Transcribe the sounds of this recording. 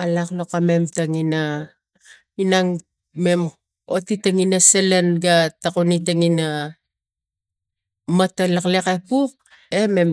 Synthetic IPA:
alaklokame̞mtaŋina | inaŋ | me̞m | otitaŋinaselenɡatakonitaŋina | matalaklekepuk̚ | e̞me̞m

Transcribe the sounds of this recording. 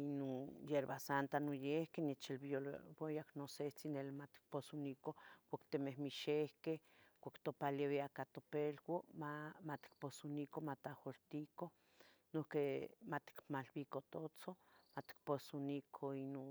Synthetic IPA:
inonjeɾβasant̪anojehkenet͡ʃelβolbejaknoset͡sinelimat̪i̥k̚posunikokʷakt̪emehmiʃehkeh | kʷakt̪opaleβeakat̪opelɡomamat̪i̥k̚posunikomat̪ahoɾt̪iko | nohkemat̪i̥kmalbikot̪ot͡somat̪i̥k̚posunikʰoino

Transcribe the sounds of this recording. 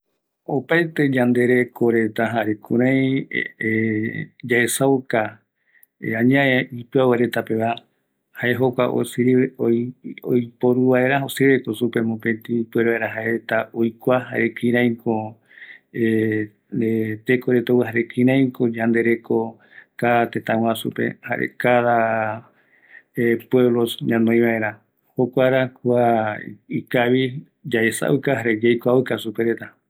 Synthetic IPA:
opaet̪e̞d͡ʒãnd̪e̞ɾe̞kʰoɾe̞t̪aɦaɾekũɾ̃ãj̃e | d͡ʒaesawka | ãɲãeipɨaweɾe̞t̪ape̞βa | haeɦokʷa̰ʔo̰s | o̰jpoɾuβaeɾaɦoseβekosupe̞mopẽt̪ipueɾoeɾaɦaeet̪aojkʷaɦaɾekĩɾ̃ãj̃ko | e | et̪ekoɾet̪owɦaɾekĩɾãj̃kod͡ʒãnd̪e̞ɾeko | kaat̪et̪ãw̃ãsṵpḛha̰ɾʔḛkaða | epwe̞βlosɲãnõj̃βaʔe̞ɾa | hokʷaɾakua | ikaβi | d͡ʒaesa̰ʔukaɦaɾed͡ʒajkʷaukasupeɾet̪a

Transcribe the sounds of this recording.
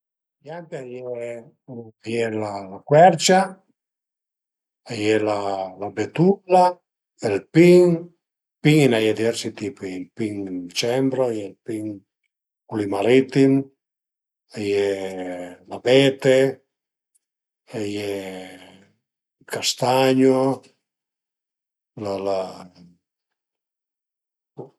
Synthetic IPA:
jant̪eajɛ | ajɛlalakwɛɾt͡ʃa | ajɛlalabet̪ula | elpiŋ | piŋinajɛd̪ivɛɾsit̪ipiilpiŋt͡ʃɛmbɾoajɛlpiŋ | kulimaɾit̪im | ajɛ | labɛt̪e | ajɛ | kast̪aɲo | lala

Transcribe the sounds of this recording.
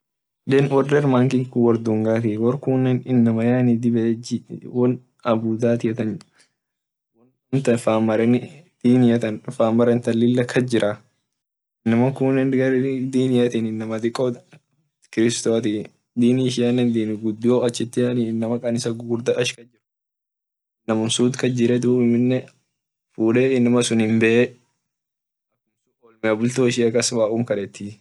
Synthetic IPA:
d̪ɛnwɔrːɐɪɾmaːŋkɪkwɐɾd̪uŋɡaːt̪iwɔɾkunːɛnɪnːɐmɐjaːnid̪ɪbɛd͡ʒwɔn | ɐbud̪aːt̪ɪjɐt̪ɐn | wɐn | ɐnt̪ɐfaːmːɐɾɐnd̪̥iːnɪjɐt̪ɐnfaːmːɐɾɐnt̪ɐlːɪlːɐkʰɐd͡ʒɪɾʔa | ɪnːɐmɐkuːnːɛnɡɐɾd̪iːnɪjɐt̪inɪnːɐmɐd̪ɪkʼːɔd̪ | kɪɾɪst̪ot̪i | d̪iːnɪʃ̬ɪɐnːɛnd̪iːnɪɡʊd̪ːjoːɐt͡ʃːɪt̪ːɪɐninːɐmɐkʼɐnɪsɐɡuːɾd̪ɐɐʃkɐd͡ʒɪɾʊ | nɐmʊnsuːt̪kɐd͡ʒɪɾɛd̪uɪmɪnːɛ | fuːᶑeɪnːɐmɐsʊnhɪmbɛʔe | ɐkɪnsʊɔlmɪɐbʊlt̪oːɪʃɪɐkɐsbaːʔuːmkɐɾɛt̪ːi

